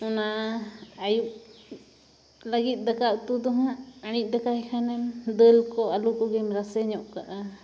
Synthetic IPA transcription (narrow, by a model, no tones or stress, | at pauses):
una | ajuʔ | laɡit̪̚ˀd̪akaʔt̪ud̪ɔɦãʔaɽ̃it̪̚ˀd̪akahɛkʰanɛmd̪əlkɔalukɔɡɛmɾasɛɲɔʔkaʔa